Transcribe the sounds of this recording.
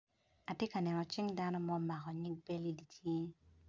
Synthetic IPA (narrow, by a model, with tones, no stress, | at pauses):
a˨tje˦ka˨nɛ˨nɔ˨t͡ʃɪ˦ŋda˦no˦mɔ˦ma˨kɔ˨ɲi˦ɡ̚pe˦li˦di˨tʰje˦